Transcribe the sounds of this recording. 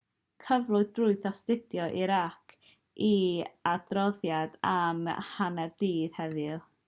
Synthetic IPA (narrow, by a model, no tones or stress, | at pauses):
kʰəvlˠʊɨðbrʊɨθastɪdjɔʔiɾakʰ | ʔiad̥rɔðjadamhanɛrd̥iːð̥hɛðɪlˠ